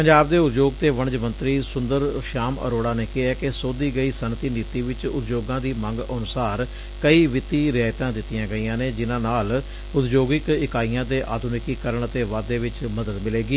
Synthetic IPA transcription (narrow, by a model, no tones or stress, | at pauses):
pəɲd͡ʒaːbd̪eːʊt̪d͡ʒoːɡt̪eːʋəɳ̃d͡ʒmənt̪ɾiːsʊnd̪əɾʃaːmə̰ɾoːɽaːneːkɪɦɛːkesoːd̪iːɡəiːsənt̪iːniːt̪iːʋɪt͡ʃʊ̰t̪d͡ʒoːɡãːd̪iːmə̃ŋɡənʊsaːɾ | kəiːʋɪt̪iːɾɪaːjt̪ãːd̪ɪt̪ːɪjãːɡəiːãːneːd͡ʒɪnãːnaːl | ʊt̪d͡ʒoːɡɪkɪkaːiːãːd̪eːʔa̰ːd̪ʱʊnɪkiːkəɾəɳt̪eːʋaːd̪eːʋɪt͡ʃməd̪əd̪mɪleːɡiː